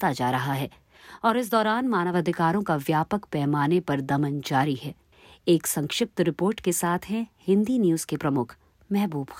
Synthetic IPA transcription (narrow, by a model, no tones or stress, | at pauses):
t̪ad͡ʒaːɾɐɦaɦɛː | ɔːɾɪs̬d̪ɔːɾaːnmaːnəʋɐd̪ʱɪkaːɾõkaʋjaːpəkpɛːmaːnepɐɾd̪ɐmənd͡ʒaːɾiɦɛː | eːksɐ̃ŋkʃɪp̚t̪ɾɪpoːɾʈkesaːt̪ʰɦɛ̃hɪ̃nd̪injuːz̥kepɾɐmʊkʰ | mɛɦbuːbx